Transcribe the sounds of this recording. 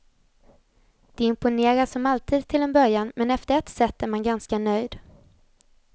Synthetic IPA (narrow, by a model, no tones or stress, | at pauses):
d̪̥ɛɪmpʊneːɾasɔmalt̪ʰiːd̪̚t̪ʰɪlɛnbœɾjanmɛnɛft̪əɾɛt̪sɛt̪ːæɾmanɡanskanœjd̪